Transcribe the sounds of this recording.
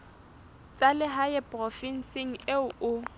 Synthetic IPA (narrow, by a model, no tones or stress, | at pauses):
t͡sʼalɪɦaɛpʼrɔfin̩sɪŋ̩eʊʊ